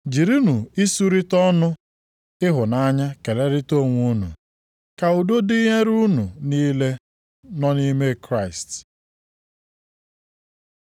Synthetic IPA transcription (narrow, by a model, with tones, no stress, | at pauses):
d͡ʒi˨ɾi˦nu˨i˦su˦ɾi˦tɔ˦nʊ˦ | ɪ˦ɦʊ˨na˦ɲa˦ke˨le˦ɾɪ˦to˦˨ŋʷu˦nṵ˨ | ka˨u˨do˦di˦ɦe˦ɾu˦nu˨niː˦le˦ | nɔ˦ni˦me˦kɾa˦˨ɪ˨st